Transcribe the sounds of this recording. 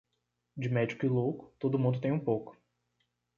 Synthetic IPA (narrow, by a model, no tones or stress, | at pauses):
d͡ʒɪmɛd͡ʒikʊɪlokʊ̥t̪od̪ʊmũnd̪ʊt̪ẽj̃ũpowkʊ̥